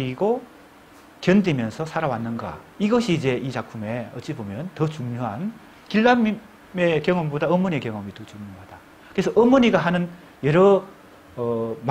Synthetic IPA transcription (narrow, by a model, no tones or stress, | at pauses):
iɡo | kjʌndimjʌnsʰʌsʰaɾawanːɯnɡa̰ | iɡʌɕʰiːd͡ʑe̞it͡ɕakpʰume̞ʌt͡ɕ͈ibomjʌntʌt͡ɕuŋɲoɦan | kiɭːam | me̞kjʌŋʌmbodaʌmoɲie̞kjʌŋʌmitot͡ɕuŋɲoɦad̥a | kɯesʰʌʔʌmoɲiɡaɦanɯn | jʌɾʌ | m